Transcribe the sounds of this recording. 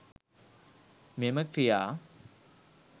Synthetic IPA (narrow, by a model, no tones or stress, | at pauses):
meməkɾijaː